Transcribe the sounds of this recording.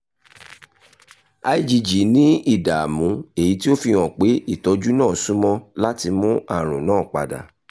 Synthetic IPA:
a˧i˦d͡ʒi˧d͡ʒi˨nĩ˨˦i˦˨da˨a˨mũ˨˦e˦˨ji˨˦ti˦o˦fi˧w̃ɔ̃˨k͡pe˨˦i˦˨tɔ˧˦d͡ʒu˦nãː˦˨sũ˦mɔ̃˧la˦ti˧mũ˦a˦˨ɾ̃ũ˨nãː˦˨k͡pa̰˨da̰˨

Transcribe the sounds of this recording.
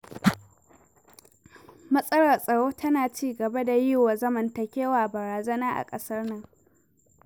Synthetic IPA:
mɐ˦sʼɐ˦ɽɐ˨rsʼɐ˨ɽoː˦tʰɐ˦naː˨t͡ʃiː˦ɡɐ˨ba˦da˨jɪ˦waː˨zɐ˦mɐ˨ntɐ˨kʲeː˦waː˨bɐ˨ɾaː˨zɐ˦naː˦ʔa̰˨kʼɐ˦sɐ˦rnɐ˦ŋ

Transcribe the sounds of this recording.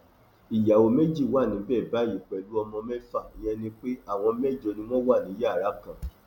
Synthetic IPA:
i˨ja˨o˧me˦d͡ʒi˦˨wa˦˨nĩ˨˦bɛ˦˨ba˨˦˨ji˨k͡pɛ˨lu˨˦ɔ˧mɔ̃˧mɛ˦fa˦˨i˨jɛ̃˧nĩ˧k͡pe˦a˦˨w̃ɔ̃˧mɛ˦˨d͡ʒo˧nĩ˧˦w̃ɔ̃˦wa˦˨nĩ˨˦ja˦˨ɾa˨˦kã˨

